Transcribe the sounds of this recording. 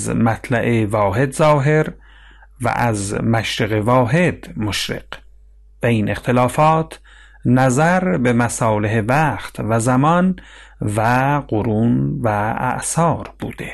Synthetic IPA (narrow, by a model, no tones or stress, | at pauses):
zmæt̪ʰlæʔevɒːɦe̞d̪zɒːɦe̞ɾ | væ̰ʔæzmæʃɾeɣevɒːɦe̞d̪moʃɾḛq | b̥eiːnʔe̞xt̪ʰelɑːfɒːt̪ʰ | næzæɾbemæsɑːleɦevæːxt̪ʰvæzæmɒnvæɢoɾuːnvææ̰ʔsɒːɾb̥ṵːd̪̥e